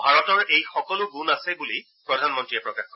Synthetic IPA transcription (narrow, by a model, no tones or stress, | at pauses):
bʱaɹɔtɔɹejxɔkɔlʊɡunasɛbuli | pɹɔdʱanmɔntɹijɛpɹɔkaxkʰɔ